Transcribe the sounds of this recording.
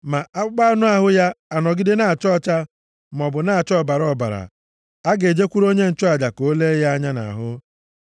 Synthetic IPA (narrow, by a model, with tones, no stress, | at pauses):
ma˨ʔa˦k͡pʊ˦ɡ͡ba˦nʊ˦a˨ɦʊ˦ja˦a˨nɔ˨ɡɪ˦dɪ˦na˨a˨t͡ʃɔ˦t͡ʃa˦ | m˨ɔ˨bʊ˨na˦˨a˨t͡ʃɔ˦˨ba˨ɾɔ˨ba̰˨ɾa̰˨ | a˦ɡe˨d͡ʒe˦kʷu˦ɾo˦ɲe˦n̩˨t͡ʃɔ˦a˨d͡ʒa˨ko˨˦le˦ja˦a˦ɲa˦na̰˨ɦʊ˦